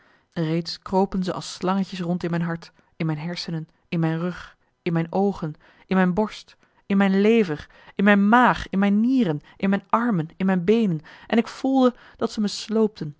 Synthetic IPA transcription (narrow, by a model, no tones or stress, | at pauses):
rejtskrowpənzəʔɑ̰lˠslɑŋəcəsrɔntɪnmɛjnɦɑɹt | ɪnmɛjnɦɛɹsənən | ɪnmɛjnrɵχ | ɪnmɛjnowχən | ɪnmɛjnbɔɹst | ɪnmɛjnlejvər | ɪnmɛjnmaːχɪnmɛjnːiːrənʔɪnmɛjnɑɹmənɪnmɛjnbejnənʔɛnɪkfulˠdə | d̥ɑtsəməslowp̚tʰən